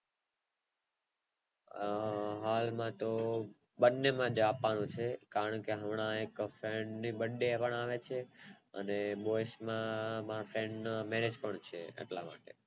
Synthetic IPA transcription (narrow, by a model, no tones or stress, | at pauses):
ɦalmãt̪o | ɓənːemãd͡ʒapːanũt͡ʃʰekaɾəɳkeɦəmɳ̃ãekfɾeɳɖnibəɖːepəɳaʋet͡ʃʰeə̰neɓojsmãmaɾfɾẽɳɖnamɛɾed͡ʒpəɳt͡ʃʰeḛʈla̰ma̰ːʈḛ